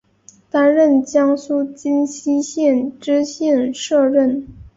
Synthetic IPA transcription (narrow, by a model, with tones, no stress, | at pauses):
t̪a˥nɻə˥˩nt͡ɕjɑ˥ŋsu˥t͡ɕi˥nɕi˥ɕjɛ˥˩nʈ͡ʂɻ̩˥ɕjɛ˥˧nʂɤ˥˧ɻə˥˩n